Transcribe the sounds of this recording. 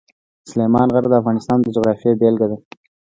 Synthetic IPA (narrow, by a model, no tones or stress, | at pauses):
slemɑnɣaɾd̪əafɣɑnɪst̪ɑːnd̪əd͡ʒoɣɾɑfjebelɡad̪a